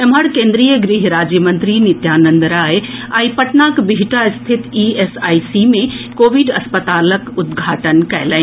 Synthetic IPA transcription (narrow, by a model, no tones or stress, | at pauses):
ɐməɽkẽːnd̪ɾijəɡɾiɦɾaːd͡ʒjəmɐ̃nt̪ɾinɪt̪jaːnə̃nd̪əɾaːɦeaːipɐʈnaːkbiɦɪʈaɪst̪ʰɪt̪iːesaːisimẽkoːʋiɖɐspət̪aːləkʊd̪ɡʱaːʈənkɐjlaĩ